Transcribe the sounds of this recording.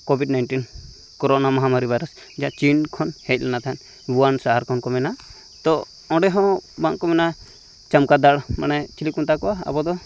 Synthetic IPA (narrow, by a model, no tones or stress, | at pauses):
kobʱiɖnajɳʈin | kɔɾɔnamaɦamaɾibʱajɾɔs | d͡ʒaʔt͡ʃinkʰɔnhɛc̪̚ˀlɛnat̪aɦan | wuansaɦaɾkʰɔnkɔmɛna | t̪ɔ | ɔ̃ɖɛɦɔ̃baŋkɔmɛna | t͡ʃamkad̪aɽma̰nɛt͡ʃilikunt̪akɔwaa̰bɔd̪ɔ